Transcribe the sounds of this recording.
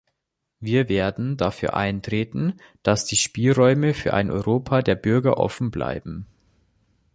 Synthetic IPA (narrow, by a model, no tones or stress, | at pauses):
viːɐveːɐdn̩dafyːɐʔa̰ɪntʁ̥eːtn̩ | d̥asd̥iːʃpiːlʁɔʏməfyːɐʔa̰ɪnʔɔ̰ʏʁoːpʰaːdeːɐbʏɐɡɐ̰ʔɔ̰fn̩bla̰ɪbm̩